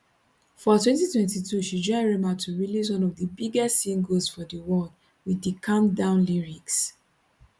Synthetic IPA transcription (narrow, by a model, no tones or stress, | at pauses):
fɔtwɛ̃ntitwɛ̃ntitʰuʃid͡ʒɔɪɹɛmatʰuɹilis̬wɔ̃nɔvdəbiɡɛstsĩŋɡosfɔdəwɔd | widəkʰãmdãʊ̃nliɹiks